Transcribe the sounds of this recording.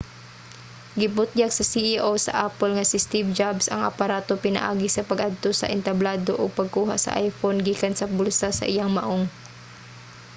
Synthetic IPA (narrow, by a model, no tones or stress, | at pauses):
ɡɪbʊt̪̚jaɡsɐsiʔiʔowsɐ̰ʔapɛlŋɐsɪst̪ibd͡ʒabsɐ̰ŋʔɐ̰pɐɾaːt̪opɪnɐ̰ʔa̰ːɡɪsɐpɐɡʔad̪̚t̪osɐ̰ʔɪnt̪ɐblaːd̪oʔoɡ̚pɐɡ̚kuːɦa̰ʔsɐ̰ʔa̰jfonɡiːkɐnsɐbʊlsasɐ̰ʔɪjaŋmɐʔoŋ